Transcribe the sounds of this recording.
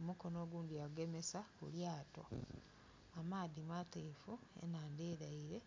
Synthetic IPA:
omuko̞no̞ːɡuːndijaɡe̞me̞sakṵljaːto̞̰ | amaːðimateːfuḛnaːndeːɾaiɾe̞

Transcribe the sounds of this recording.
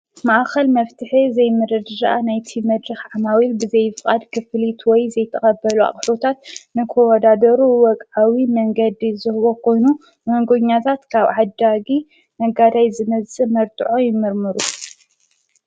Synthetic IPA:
maʔxɐlmɐft̪ʰɨħizɐjmɨɾɐd̪ɨzaʔanajt̪ʰimɐd̪ɾɨxʕamawilbɨzɐjfɨkʼad̪kʰɨflit̪ʰwɔjzɐjt̪ʰɐχʼɐbːɐlua̰χʼfot̪ʰat̪nɨkʰowɔd̪ad̪ɐɾuwɔkʼawimɐŋɡɐd̪izɨhβo̞kʰo̞jnu | mɐŋɡoɲːat̪ʰat̪kʰaβʕad̪aɡi | mɐɡad̪ajzɨmɐzsʼɨmɐɾt̪ʰʼɨʕojɪmːɨɾmɨɾu

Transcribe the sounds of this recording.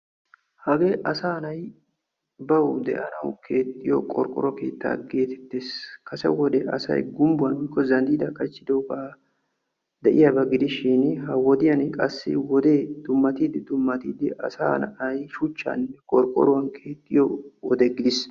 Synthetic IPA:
hɐɡeːʔɐsaːnɐj | bɐwd̪ɛ̰ʔɐnɐwkʰe̞ːt̪ʼːɪjɔ̰kʼɔɾkʼɔ̰ɾɔke̞̰ːt̪ːa̰ːɡe̞ːt̪ɛ̥t̪ːeskɐsɛ̰wɔd̪ɛʔɐsɐ̰jɡʊmbʊwɐnʊɪkːɔzɐnd̪iːd̪ɐkʼɐt͡ʃːɪd̪oːka | d̪ɐʔɪjɐbɐɡɪd̪ɪʃɪnhɐwɔd̪ɪjɐnkʼɐsːɪ̰wɔd̪eːd̪̥ʊmːɐt̪iːd̪ɪd̪ʊmːɐt̪iːd̪ɪʔɐ̰sa̰ːnʔɐjʃʊt͡ʃːa̰ːnnːɛkʼɔɾkʼɔ̰ɾɔwɐnkʰe̞ːt̪ʼːɪjɔɔd̪ɛɡɪd̪ɪs

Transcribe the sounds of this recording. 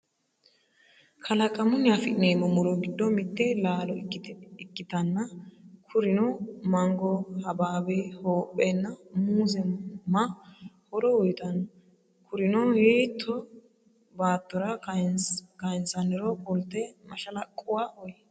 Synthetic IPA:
kʰɐlɐkʼɐmʊnːɪafɪʔɪneːmɔmʊɾɔɡɪd̪ːɔmɪt̪ːɛlaːlɔɪkːɪt̪ɐnːɐkʰʊɾɪnɔmɐŋɡɔhɐbaːbɛhoːpʼːɛnːɐmuːzɛmɐhɔɾɔɔjt̪ɐn | kʰʊɾɪnɔjeːt̪ʰːɔ | baːt̪ːɔɾɐ | kɐjnsɐnɛɾɔbʊlt̪ːɛmɐʃɐlɐkʼːʊwaːʔɔjɛ

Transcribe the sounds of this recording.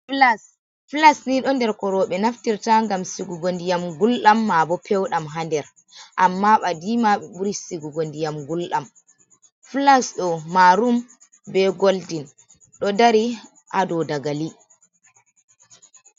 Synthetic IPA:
flas | flasniɗɔndɛɾkɔɾɔɓɛnaftiɾtaŋɡamsiɡuɡondijamɡulɗamːabɔpʰɛwɗamɦandɛɾ | ʔamːaɓadimaɓɛɓuɾisiɡuɡondijamɡulɗam | flasɗɔmaɾum | bɛɡoldin | ɗɔdaɾi | ʔadɔdaɡali

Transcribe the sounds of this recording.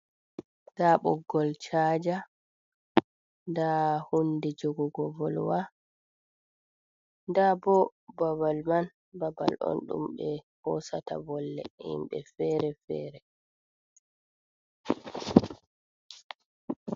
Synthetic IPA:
daɓɔɡːɔlt͡ʃaːd͡ʒa | ndahundɛd͡ʒɔɡɔɡɔvɔlwa | ndabɔbabalman | baba̰lʔɔ̰nɗṵmɓɛhɔsata̰bɔlːɛ̰ḭmɓɛfɛɾɛfɛ̰ːɾɛ

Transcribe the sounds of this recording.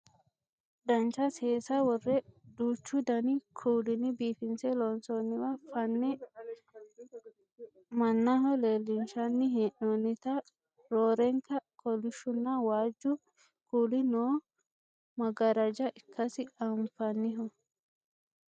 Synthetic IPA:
d̪ɐnt͡ʃɐseːsɐwɔrːɛᶑuːt͡ʃːʊd̪ɐnɪkʰuːlɪnɪbiːfɪnsɛlɔnsonːɪwɐfɐnːɛ | mɐnːɐɦɔleːlːɪnʃɐnːɪɦeʔonːɪt̪ɐ | ɾoːɾɛŋkɐkɔlɪʃʊnːɐwaːd͡ʒːʊ | kuːlɪnoː | mɐɡɐɾɐd͡ʒɐʔɪkʰːɐsɪɐmfɐnːɪɦɔ

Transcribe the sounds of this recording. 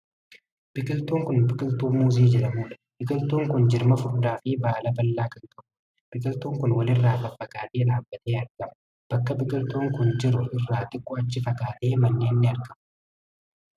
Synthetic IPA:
b̥ɪkʼɪlt̪uːŋkʊnbɪkʼɪlt̪uːmuːziːd͡ʒɛᶑɐmuːᶑɐ̥bɪkʼɪlt̪oːŋkʊnd͡ʒɪɾmɐfʊɾd̪aːfɪbaːlɐbɐlːaːkɐŋk̪ɐʔʊ | b̥ɪkʼɪlt̪uːŋkʊnwɐlɪrːaːbɐfːɐɡaːt̪eːᶑaːbːɐt̪eːɐɾɡɐmɐ | b̥ɐkːɐbɪkʼɪlt̪oːŋkʊnd͡ʒɪɾʊʔɪrːaːt̪ɪkʼːɔɐt͡ʃːɪfɐkaːt̪e̞ːmɐnːeːnːɪɐɾɡɐmɐ̥

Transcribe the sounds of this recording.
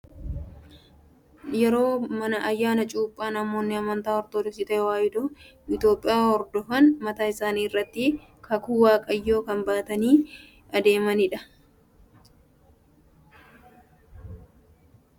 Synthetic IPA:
jɛɾo̞ːmɐnɐʔɐjːaːnɐt͡ʃʼuːpʼːaːnɐmo̞ːnːɪɐmɐnt̪aːɔɾt̪oːd̪ɔsɪt̪ɐɛwaːjɪd̪ɔɪt̪jo̞ːpʼːɪjaːhɔɾd̪ɔfɐnmɐt̪aːɪsaːniːɪrːɐt̪ːɪ | kʰɐkuːwaːkʼɐjːo̞ːkɐmbaːt̪ɐniː | ɐd̪e̞ːmɐnɪᶑɐ

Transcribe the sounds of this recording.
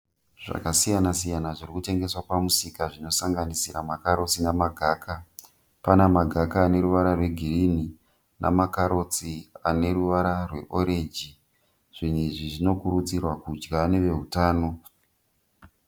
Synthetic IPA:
ʐ̥a̰kasijanasijanaʐirikute̞ŋɡe̞swapamusikaʐino̞saŋɡanisiɾamakaɾo̞t͡sinamaɡʱaːkʰa | panamaɡʱakaːne̞ɾuʋaɾarwe̞ɡʱirini | nʔa̰makaɾo̞t͡sia̰ne̞ɾuʋaɾarwe̞̰ʔo̞ɾed͡ʒi | ʐ̥iniʐiʐino̞kurut͡sirwakud͡ʒɡaneʋe̞ɦutaːno̞

